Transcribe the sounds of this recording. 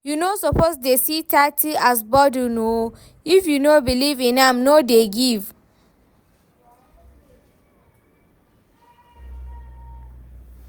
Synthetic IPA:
junosɔpozdesitʰatʰiasbɔduno | ifjunobilivĩnamnodeɡiv

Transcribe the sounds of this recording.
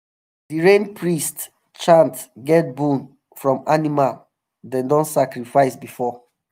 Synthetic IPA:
diɹẽnpʰɹist | t͡ʃãntɡɛt̚bũn | fɹɔ̃manimal | dɛ̃ndɔ̃nsakɹifaɪsbifɔ

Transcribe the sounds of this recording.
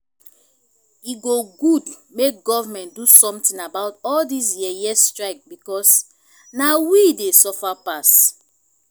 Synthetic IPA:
iɡoɡud | mek̚ɡɔvamɛ̃ntdusɔ̃mtĩnabaʊtɔldis̬jiɛjɛstɹaɪk̚bikɔs | nawidesɔfapas

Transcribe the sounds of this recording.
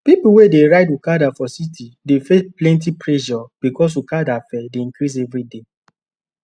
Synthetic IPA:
pipuwedeɹaɪdukadafɔsitidefesplɛ̃nt̬ipɹɛʃɔb̥ikɔs̬ukadafɛdeĩŋkɾis̬ɛvɾide

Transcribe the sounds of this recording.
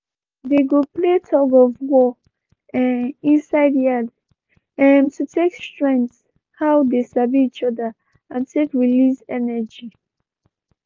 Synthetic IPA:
deɡopletʰɔɡɔvwɔ | ĩnsaɪdiad | ɛmtutʰekstɹɛ̃nt | hawdesabiit͡ʃɔdə | ãntʰekɹilisɛnəd͡ʒi

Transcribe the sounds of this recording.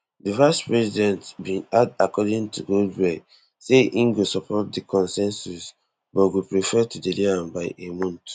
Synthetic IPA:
divaɪspɹɛsidɛ̃ntbĩnadakɔdĩŋtuɡodɹɛ | seʔĩnɡosɔpʰɔt̚dikʰɔ̃nsɛ̃nsus | bɔɡopɹifɛtudeliãmbaɪemɔ̃nt

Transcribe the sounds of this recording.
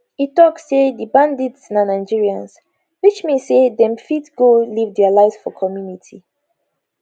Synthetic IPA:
itɔksːedibãndidsnãnaɪd͡ʒiɹiãns | wit͡ʃmesedɛ̃mfitɡolivdɛalaɪvsfɔkʰɔmjunitʰi

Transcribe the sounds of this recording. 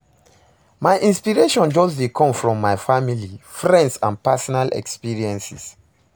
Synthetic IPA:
majʔĩnspiɹeʃɔ̃nd͡ʒɔsdekʰɔ̃mfɹɔ̃mːajfamilifɹɛ̃ndsã̰npasɔnalʔɛ̰kspiɹiɛ̃nsḭs

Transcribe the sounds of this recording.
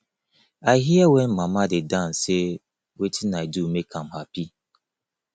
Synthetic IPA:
aɦiawen̩mamadɪdan̩se | wetʰinaidumekʰam̩hapi

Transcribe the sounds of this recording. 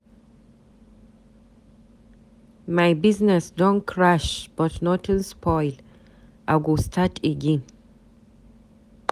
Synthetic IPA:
majbiznɛsdõnkʰɹaʃb̥ʌtnɔtʰɨ̃nspʰɔjl | ʔaɡostʰatʰeɡĩn

